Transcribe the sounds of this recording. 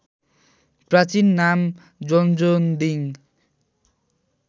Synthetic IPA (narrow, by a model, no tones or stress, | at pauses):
prat͡sinːam | d͡zɔnd͡zond̪iŋ